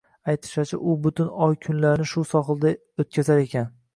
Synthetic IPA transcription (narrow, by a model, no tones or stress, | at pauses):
ajt̪ʰɪ̥ʃat͡ʃʰa̰ʔʊbʊt̪ɪnɒjkʲʰʊnlaɾnɪʃʊsɒχɨlˠd̪a | ot̪̚kʲazaɾe̞kʲʰan